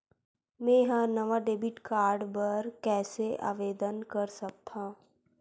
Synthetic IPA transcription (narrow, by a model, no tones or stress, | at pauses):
mɛ̃jɦãnɐʋaɖeːbiʈkaːɾɖbɐɾkɛːsea̰ːʋeːd̪ənkɐɾsɐk̚t̪ʰã